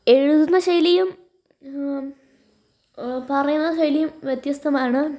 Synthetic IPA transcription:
e̞ɻuðunːɐɕɐjlijum | pɐrɐjunːɐɕɐjlijumʋjet̪jɐst̪ʰɐmaːɳɨ

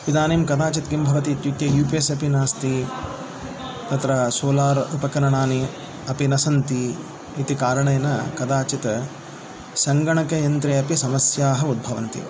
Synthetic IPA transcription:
ʋid̪aːniːmkɐd̪aːt͡ʃit̪ɡimbʱɐʋɐt̪it̪jut̪jɐjuːpesɐpinaːst̪i | t̪ɐt̪ɾɐsoːlaːɾupɐkɐɾɐɳaːni | ɐpinɐsɐnt̪iː | t̪ikaːɾɐɳɐjɐnɐ̰kɐd̪aːt͡ʃit̪ɐ | sɐŋɡɐɳɐkɐjɐnt̪ɾeːɐpisɐmɐsjaːɦɐud̪̚bʱɐʋɐ̰nt̪ḭ

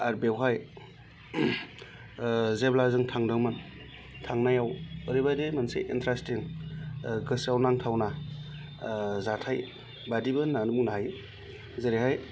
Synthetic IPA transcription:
aɾbewɦaj | zeblazɯŋtʰaŋdɯŋmɯn | tʰaŋnajawɯɾibademansḛʔintʰɾastiŋ | ɡɯsawnaŋtʰawna | zatʰaj | badibɯnanumuŋnaɦaj | zeɾeɦaj

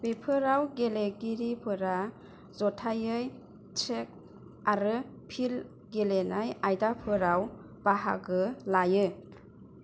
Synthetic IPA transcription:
bepʰɯɾawɡeleɡiɾipʰɯɾa | zɔtʰajɯj | t͡ʃʰek̚ | aɾɯ | pʰil | ɡelenajajdapʰɯɾaw | b̥aɦa̰ɡɯlajɯ

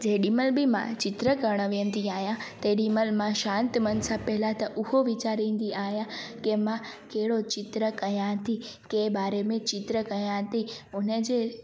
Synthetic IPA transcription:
d͡ʑɐ̃ɗiːməlbɪmã̰t͡ɕɪt̪ɾəkɐɾɽ̃ə̆ʋijə̃nd̪iaːɦijãt̪ɐɗiːməlmãʃãːnt̪mɐnsãpɐɦɪlat̪ɐʔʊhoʋɪt͡ɕaːɾĩːn̆d̪iaːɦijãkemãkɐɦɪɽot͡ɕɪt̪ɾəkɐjãt̪ʰikeːbaːɾemẽt͡ɕɪt̪ɾəkɐjãt̪ʰiʊnə̆d͡ʑeː

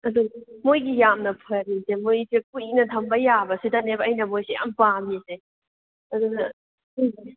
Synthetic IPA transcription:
ɐdumojɡijamnɐpʰojɐɾisemojsekujiknɐtʰɐmbɐjabɐsidɐnebɐːjnɐmojseja̰mpamise | ɐdunɐ

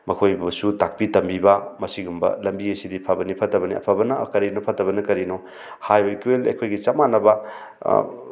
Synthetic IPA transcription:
mɐkʰojbɐsutak̚pitɐmbibɐmɐsiɡumbɐ̰lɐmbiɐsidipʰabɐnipʰɐtɐbɐniɐ̰pʰabɐnɐkɐɾinopʰɐtːɐbɐnɐkɐɾino | hajbɐikwelɐ̰jkʰojɡit͡ʃamanɐbɐ

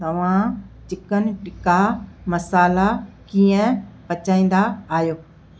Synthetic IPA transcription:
t̪ɐʋ̤ãt͡ʃɪkənɪ̆ʈɪkaməsaːlakiːə̃pət͡ʃaːĩːnd̪aːɦjoː

